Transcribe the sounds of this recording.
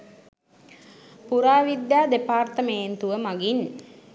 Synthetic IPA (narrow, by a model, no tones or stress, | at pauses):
puɾaːʋid̪jaːd̪epaːrt̪əment̪uʋəmaɡin